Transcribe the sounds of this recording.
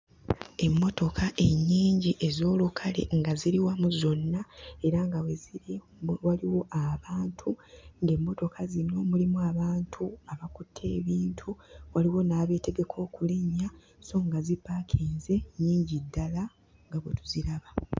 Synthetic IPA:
e̞mːo̞to̞kʰaʔe̞ɲːiːɲɟiʔe̞zo̞ːlukʰale̞̰ŋɡaziɾiwamuzo̞nːae̞ɾaŋɡawe̞ziɾ | waliwo̞ʔaβaːntʰuŋɡe̞mːo̞to̞kʰazino̞mulimuaβaːntʰuaβakutʰːe̞ːβiːntʰuwaliwo̞naβe̞te̞ɡe̞kʰo̞ːkuliɲːa | so̞ːŋɡazipːakʰeːnze̞ɲːiːɲɟidːala | ŋɡaβwetu̥ziɾaβa

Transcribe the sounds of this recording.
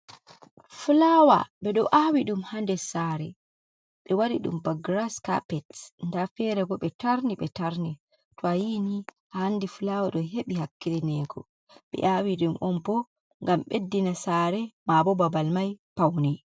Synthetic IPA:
fulawa̰ɓɛɗɔʔawiɗumhandɛsaɾɛ̰ | ɓɛwaɾḭɗṵmbaɡɾaska̰pɛtndafɛɾɛɡɔɓɛtaɾniɓɛtaɾni | tɔajinihahandifulawaɗɔɦeɓihakːilinɛɡɔ̰ | ɓɛ̰ʔawiɗumʔɔnbɔ | ŋɡamɓedːinasaːɾɛmabɔbabalmajpawnɛ

